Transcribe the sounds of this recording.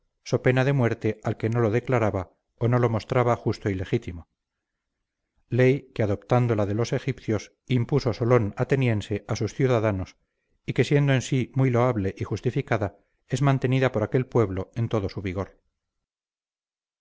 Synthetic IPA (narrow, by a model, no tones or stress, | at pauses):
so̞pe̞naðe̞mwe̞ɾt̪e̞alke̞no̞lo̞ðe̞klaɾaβa | ono̞lo̞mo̞st̪ɾaβaxust̪oile̞xit̪imo | lejkeaðo̞pt̪and̪o̞laðe̞lo̞se̞xipθjo̞s | impuso̞solo̞nat̪e̞nje̞nse̞ʔasusθjuðaðano̞s | ike̞sje̞nd̪oe̞nsimwijlo̞aβle̞ʔixust̪ifikaða | e̞zmãnt̪e̞niðapo̞ɾake̞lpwe̞βlo̞e̞nt̪o̞ðo̞suβiɣo̞ɾ